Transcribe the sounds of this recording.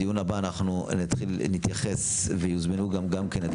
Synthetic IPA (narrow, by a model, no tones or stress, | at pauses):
ijunabaːnaχnunit̪χilnit̪jaχes | vejuzmenuɡamɡamkenet̪